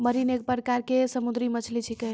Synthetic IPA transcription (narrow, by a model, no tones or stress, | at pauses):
məɾinek̚pəɾkaɾkesəmud̪ɾimət͡ʃʰlit͡ʃʰikə